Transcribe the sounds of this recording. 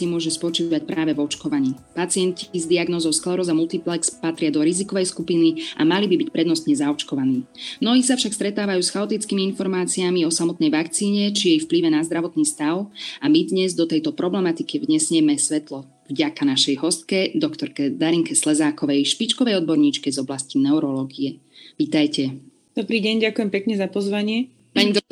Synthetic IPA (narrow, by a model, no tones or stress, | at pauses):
imʊɔʒɛspɔt͡ʃiːʋac̚pɾʔaːʋɛvɔt͡ʃkɔʋaɲiːpat͡sɪɛncizd̪iaɡnɔːzɔʊsklaɾɔzamulˠt̪iplɛkspat̪ɾɪad̪ɔɾizikɔʋɛjskupiniʔa̰malibibicpɾɛd̪nɔst̪ɲɛzaɔt͡ʃkɔʋaniːmnɔɦiːsafʃakst̪ɾɛt̪aːʋajuːsxaɔt̪it͡skimiinfɔɾmaːt͡siamiɔsamɔt̪nɛjʋakt͡siːɲɛt͡ʃijɛjfpliʋɛnazd̪ɾaʋɔt̪niːst̪aʊamid̪ɲɛzd̪ɔt̪ɛjt̪ɔpɾɔblɛmat̪ikivɲɛsɲɪɛmɛsʋɛt̪lɔ | vɟakanaʃɛjɦɔst̪̚kɛd̪ɔkt̪ɔɾkɛd̪aɾiŋkɛslɛzaːkɔʋɛjʃpit͡ʃkɔʋɛjɔd̪̚bɔɾɲiːt͡ʃkɛzɔblascinɛʊɾɔlɔːɡiɛ | ʋiːt̪ajcɛ | d̪̥ɔbɾiːɟɛɲɟakujɛmpɛkɲɛzapɔzʋaɲɪɛ | paɲi